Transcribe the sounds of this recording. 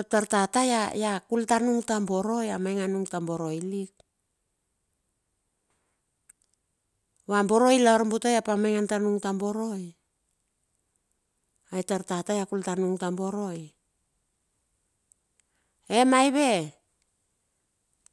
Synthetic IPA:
taɾtatajajakultanuŋtambo̞ɾo̞jamajŋanuŋtambo̞ɾo̞jlik̚ | βambo̞ɾo̞jlaɾmbutojapamajŋantanuŋtambo̞ɾo̞j | ajtaɾtatajakultanuŋtambo̞ɾo̞j | emajβe̞

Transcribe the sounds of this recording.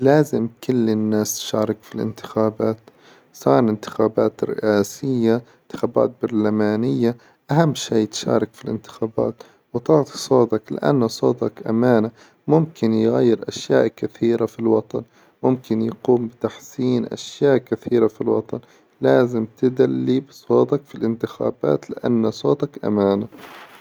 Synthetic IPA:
laːzɪmkʊlːɪnːaːst̪ʃɑːɾˤɑkfilʔɪ̰nt̪ɪ̥xaːbaːt̪ | sɑːɾˤʔɪnt̪ɪ̥xaːbaːt̪rɪ̰ʔaːsɪjːaɪnt̪ɪ̥xaːba̰ːt̪̚bɑɾˤlamaːnɪjːa | ʔahamːʃiːt̪ʃa̰ːɾˤɑkfilʔɪnt̪ɪ̥xaːba̰ːt̪ | wt̪ˤɑʕt̪isˤoːd̪ɑklɪ̰ʔa̰nːasˤoːd̪ɑkʔa̰maːna | mʊmkɪnjɣajːɪɾʔaʃjaːʔkɪθiːɾafilwɑt̪ˤɑn | mʊmkɪnjquːmbɪt̪aħsiːnʔa̰ʃjaːʔkɪθiːɾafilwɑ̰t̪ˤɑn | laːzɪmt̪ɪd̪alːibsˤoːd̪ɑkfilʔɪnt̪ɪxa̰ːba̰ːt̪lɪʔa̰nːasˤoːt̪ɑkʔa̰maːna

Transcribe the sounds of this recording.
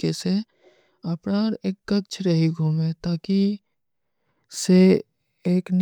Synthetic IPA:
ese | ɐpɾaːɾeːkːɐtt͡ʃʰɾəɦiɡʱuːmet̪aːki | se | eːkn

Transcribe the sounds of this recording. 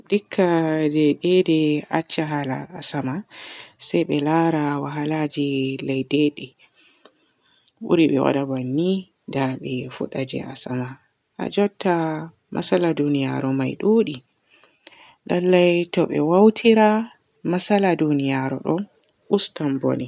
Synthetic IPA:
dikʰːadɛɗɛdɛat͡ʃːaɦala̰ːsamasajɓɛlaɾawaɦalad͡ʒilɛjdɛɗɛ | bṵɾiɓɛ̰wa̰ɗabanːi | daɓɛfṵɗad͡ʒɛ̰asama | ʔa̰d͡ʒɔtːa | mʔa̰saladunija̰ɾɔmajɗuɗi | ɗalːajtɔɓɛ̰wawtʰiɾa | masaladunijaɾɔ̰ɗɔn | ʔustambo̰ni

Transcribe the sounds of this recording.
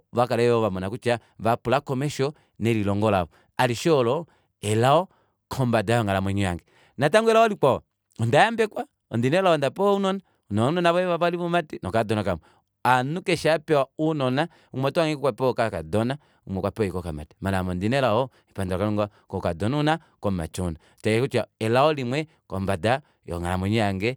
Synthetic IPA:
βakalɛɔβamɔnakut͡ʃaβapulakɔmɛʃɔ | nɛlilɔŋɡɔla̰βɔ | aliʃɔɔlɔ | ɛlaɔ | kʰɔmbadaɔŋalamɛɲuja̰ŋɡɛ | nataŋɡuɛlaɔlik͡paɔ | ɔndajambɛkwa | ɔndinɛlaɔndapɔunɔna | unɔunɔnaβɔɛβapaliβɔmatinɔkadɔnakamɔ | anukɛʃapɛaunɔna | umɔtɔaŋikɔkwapɔkakadɔna | umɛkwapɔjikɔkama̰ti̥manamɔndinɛlaɔ | ipandkaluŋɡakɔkadɔnna | kɔma̰t͡ʃɔna | t͡ʃaɛkut͡ʃaɛlaɔlimwɛ | kɔmbada | jɔ̰ŋa̰lamɔɲujaŋɡɛ

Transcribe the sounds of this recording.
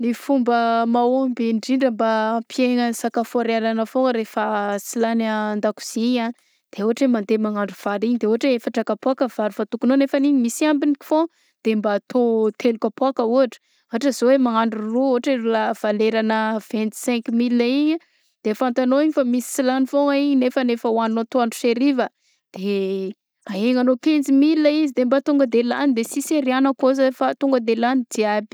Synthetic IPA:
nifumbəmaombiɳɖ͡ʐiɳɖ͡ʐəmbapʰieŋənsakafoɾaɾanəfoɾefəsilanaːnd̪aku̥z̥iɲan | d̪̥eoaʈ͡ʂemand̪emaŋaɳɖ͡ʐuv̥aɾiɲid̪eoɦaʈ͡ʂeefaʈ͡ʂakapwakəvaɾifat̪ukunonefaniɲimisiambiniki̥fo | d̪̥embaːt̪ʰot̪ʰelukʲapwakəuɦaʈ͡ʂə̥ | aaʈ͡ʂəzowemaaɳɖ͡ʐuruuaʈ͡ʂirulav̥aleɾanəv̥ɛ̃nt̪i̥sɛ̃ŋkimilaiɲə | d̪̥efant̪anoiɲifamisi̥silanifoŋaiɲnefənefəwannot̪oaɳɖ͡ʐu̥ʃeɾivə | d̪̥e | aeŋanokẽnzimilːaizid̪embat̪uŋɡəd̪elanid̪esiseɾianəkozəfat̪uŋɡəd̪elanid̪iabi̥

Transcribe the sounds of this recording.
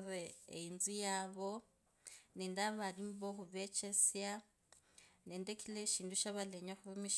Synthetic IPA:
reeinzijaβo | nendaβalimboxuβet͡ʃʰesja | nendekʰileʃiːnduʃaβaleɲaxuβemiʃ

